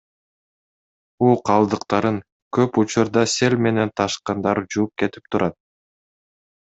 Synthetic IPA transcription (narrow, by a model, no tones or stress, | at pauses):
uːqʰɑlˠd̪ɯqt̪ɑɾɯŋ | køput͡ʃuɾd̪ɑse̞lʲme̞ne̞nt̪ʰɑʃqɑnd̪ɑɾd͡ʒuːp̚ke̞t̪i̥p̚t̪ʰuɾɑt̪̚